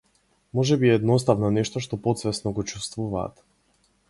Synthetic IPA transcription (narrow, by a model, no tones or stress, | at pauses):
mɔʒɛbiɛɛd̪nɔst̪avnɔnɛʃt̪ɔʃt̪ɔpɔt̪svɛsnɔɡɔt͡ʃust̪vuva̰ːt̪